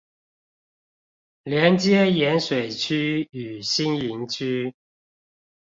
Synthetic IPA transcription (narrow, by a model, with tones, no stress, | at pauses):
ljɛ˨˦˥nt͡ɕjɛ˥˦jɛ˨˥nswe˨˩ɪt͡ɕʰy˥y˨˩ɕi˥ni˨˦ŋt͡ɕʰy˦˥